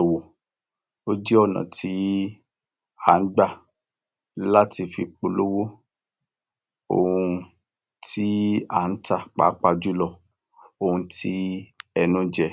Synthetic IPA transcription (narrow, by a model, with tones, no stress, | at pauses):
o˨wo˨ | o˦d͡ʒɛ˦ɔ˦˨nã̰˨ti˨˦ | a˨n̩˦ɡ͡ba˦˨ | la˦ti˧fi˧k͡po˧lo˦wo˦ | o̰˧˨hũ˧ | ti˦a˦˨n̩˦ta˦˨k͡pa̰ː˨˦k͡pa˧d͡ʒu˦lɔ˧˨ | o˧hũ˧ti˦ɛ˧nũ˦d͡ʒɛ˧˨